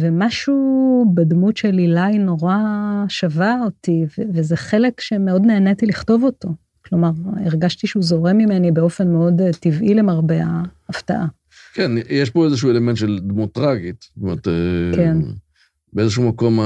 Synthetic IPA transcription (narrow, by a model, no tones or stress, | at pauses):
vemaʃubadmutʃelilajno̞ʁaʃavaotivevezeχe̞lekʃe̞meo̞dneːnet̪iliχto̞vo̞to̞ | klo̞maʁiʁɡaʃtiʃeuzo̞ʁemime̞nibeo̞fe̞nmeo̞dtivʔile̞maʁbeaːfta̰ʔa | kenjeʃpo̞ezeʃ̬uelementʃeld̪mutːʁaɡit̪stomeʁt̪eken | beezeʃumako̞m